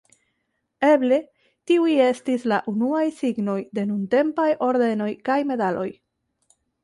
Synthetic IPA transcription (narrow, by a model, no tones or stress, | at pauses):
e̞ble̞ | tiuje̞stislaʔunuajsiɡno̞jde̞nunte̞mpajo̞ɾd̪e̞no̞jkajme̞dalo̞j